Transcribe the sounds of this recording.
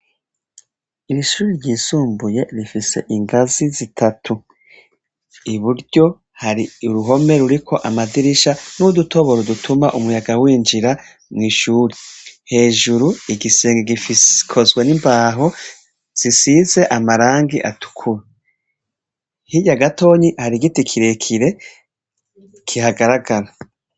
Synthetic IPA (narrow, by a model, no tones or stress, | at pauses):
iɾiʃuːɾiɾɟiːsuːmbuje̞ɾifise̞̰ʔiŋɡazizitʰatʰu | iβuɾɟo̞ | haɾiuɾuɦo̞me̞ɾuɾikʰo̞ʔamadiɾiʃanudutʰo̞βo̞ɾodutʰumaʔumujaɡawiːnd͡ʒiɾa | mŋiːʃuːɾihe̞ːʒuɾuiɡiseːŋɡeɡifiskʰo̞zɡwenimbaːɦo̞ | z̥isize̞ʔamaɾaːŋɡiʔatʰu̥kʰuɾe | hiɟaɡato̞ːɲihaɾiɡitikʰiɾekʰiɾe̞ | kʰihaɡaɾaɡaɾa